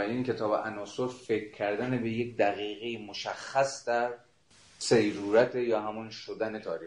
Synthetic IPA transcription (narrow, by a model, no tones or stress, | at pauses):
jenkʲʰe̞t̪ʰɒːbeʔænɒːsoɾfekɾcʰːæɾd̪ænebe̞je̞k̚ʲd̪æɣiːɣejimoʃæχːæsd̪æɾ | sejɾuːɾæt̪ʰejɒːhæmunʃod̪ænet̪ʰɒːɾi